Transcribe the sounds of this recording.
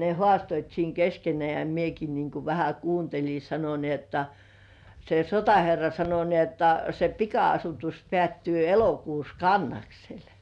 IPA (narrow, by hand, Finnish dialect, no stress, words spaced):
ne hŏɑˑstoit siːŋ keskenĕæˑ jɑ mieki niːŋ ku ʋæhæ kuːntelʲi sɑno ni otːɑ se sotɑherːɑ sɑno ni otːɑ se pikɑɑsutus pĕæˑtːyː elokuːs kɑnːɑksel